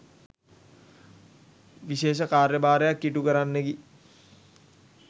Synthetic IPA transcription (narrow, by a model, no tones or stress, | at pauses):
ʋiʃeːʃ̬əkaːrjəbaːɾəjakːiʈukəɾanːeɡi